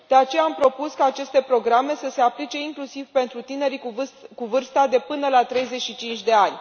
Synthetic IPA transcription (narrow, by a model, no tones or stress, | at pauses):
d̪̥e̞at͡ʃe̞jaːmpɾo̞puskaːt͡ʃe̞st̪e̞pɾo̞ɡɾame̞səse̞aplit͡ʃe̞iŋklusivpe̞nt̪ɾut̪ine̞ɾikuvɨrst̪ad̪e̞pɨnəlat̪ɾe̞jze̞tʃit͡ʃint͡ʃʲd̪e̞anʲ